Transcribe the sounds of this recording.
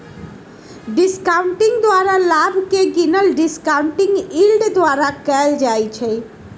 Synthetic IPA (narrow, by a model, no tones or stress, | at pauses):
ɖiskawɳʈiŋd̪oaɾalabʱkeɡinəlɖiskawɳʈiŋilɖd̪waɾakɛld͡ʒajt͡ɕʰe